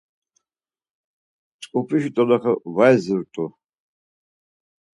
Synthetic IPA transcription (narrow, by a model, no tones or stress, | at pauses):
t͡sʼkʼupʰʼiʃit̪ʼɔlaχavajzɨɾt̪ʼu